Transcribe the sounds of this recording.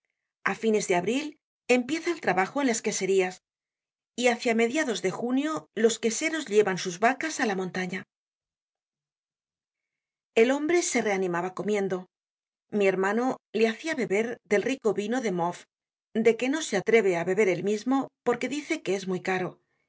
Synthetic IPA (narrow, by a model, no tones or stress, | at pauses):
afine̞zðe̞aβɾil | e̞mpje̞θaelt̪ɾaβaxoe̞nlaeske̞se̞ɾias | iaθjame̞ðjaðo̞zðe̞xunjo̞lo̞ske̞se̞ɾo̞zʎe̞βansuzβakasalamõ̞nt̪aɲa | e̞lo̞mbɾe̞se̞re̞anĩmaβako̞mjẽ̞nd̪o̞ | mie̞ɾmãno̞leaθiaβe̞βe̞ɾðe̞lriko̞βino̞ðe̞mof | d̪e̞ke̞no̞seat̪ɾe̞βe̞aβe̞βe̞ɾe̞lmizmo̞po̞ɾke̞ðiθe̞ke̞e̞zmujkaɾo̞